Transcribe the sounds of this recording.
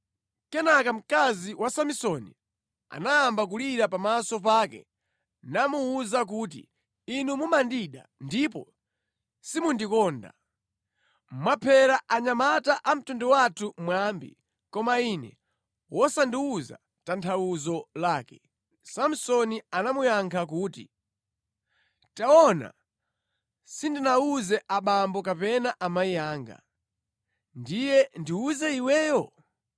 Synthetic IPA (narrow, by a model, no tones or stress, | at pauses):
kɛnakam̩kaziwasamisɔnḭ | a̰naːmbakuliɾapamasɔp̬aːkɛ̰ | namuːzak̬ut̬ḭ | inumumandiɗa̰ndipɔ̰ | simundikɔːnda̰ | mmapʰɛɾaʔaɲamataʔam̩tundɔwatʰumwambḭ | kɔmainɛ̰ | wʔɔsandiuza̰ | tantʰawuzɔlaːkɛ̥ | sam̩sɔnianamujaŋkʰakuːtḭ | taɔna̰ | sindinauzɛʔaɓambɔkapɛnaʔamaijaːŋɡa̰ | ndijɛndiuzɛiwɛːjɔ